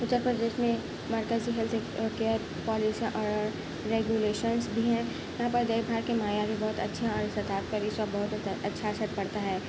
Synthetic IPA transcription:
ʊt̪ːəɾpɾəd̪eːʃmẽ | mɐɾkəziɦɛlt̪keəɾ | pɔːlisiãʔɔːɾ | ɾeːɡjuleːʃənsbʱiɦɛ̃ | jɐɦãːpəɾd̪eibʱaːɾkemaːjabʱibɔɦʊt̪ɐtːʃʰaɔɾɪst̪ət̪aːt̪̚pɐɾɪsabɔɦʊt̪ɐtːʃʰaɐsəɾ̚pɐɽt̪aɦɛː

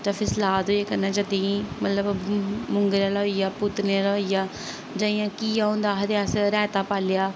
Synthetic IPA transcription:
taːfʰɪslaːd̪oeːkəɾnɛ̃ːd͡ʒəd̪iimət̪ləbmʊŋɡɾjãːləijaːpʊt̪neaːləijaː | d͡ʒəːijãːkiːjaːɦõːnd̪aːɦəd̪eaːsɾɛːt̪aːpaːlɪjaː

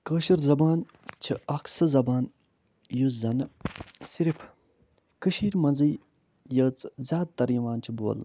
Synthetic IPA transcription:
kəːʃiɾzɐbaːn | t͡ʃʰiɐksɨzɐbaːn | juzɐnɨsiɾipʰ | kɨʃiːɾʲmɐnzɨj | jəːt͡szʲaːd̪̚t̪ɐɾiʋaːnt͡ʃʰibo̰ːl

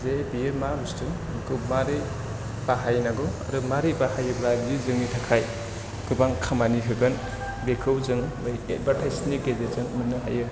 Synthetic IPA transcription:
zebijɯmabustɯ | ɡɯmaɾe | b̥aɦajnaɡɯa̰ɾɯmaɾebahajɯbɾabijɯzɯŋnitʰakʰaj | ɡ̥ɯbaŋkʰamanipʰebɯn | bekʰɯwzɯŋ | ɯjet̚batʰajsnik̚ɡezezɯŋmɯnːɯɦa̰jɯ

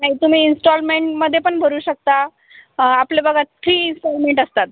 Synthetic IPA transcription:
naɦit̪um̤iːinsʈɔlmeɳʈməd̪ʱjepəɳbʱəɾuːɕək̚t̪a | aplebəɡʱat̪fɾiːinsʈɔlmeɳʈəst̪at̪̚

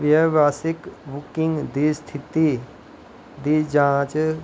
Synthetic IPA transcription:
ʋjəʋaːsikbukiŋɡd̪ist̪ʰit̪i | d̪id͡ʒãːt͡ʃ

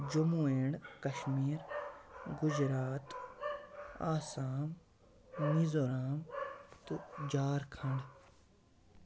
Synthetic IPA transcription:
d͡ʒumueːɳɖkɐʃmiːɾ | ɡʊd͡ʒɾaːt̪ | aːsaːm | nizoːɾaːmt̪ud͡ʒaːɾkʰɐ̃ɳɖ

